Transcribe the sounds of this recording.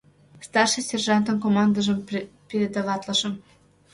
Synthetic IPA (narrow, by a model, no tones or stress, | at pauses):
st̪ɑrʃɨsʲerʒɑnt̪ənkomɑnd̪əʒə̆mpʲeɾʲed̪ɑvɑt̪lɤʃɤ̆m